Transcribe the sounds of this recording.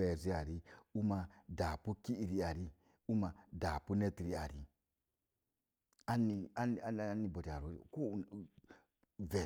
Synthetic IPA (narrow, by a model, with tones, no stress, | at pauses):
ɛ˨zi˦a˨ɾi˦u˦ma˨da˨pu˦ki˦i˨ɾi˦a˨ɾi˦ | u˦ma˨da˨pu˦ne˦ti˨ɾi˦a˨ɾi˨ | a˦ni˨a˦ni˨a˦ni˨bo˨di˨a˨ɾo̰˨ko˦˨ | vɛ˨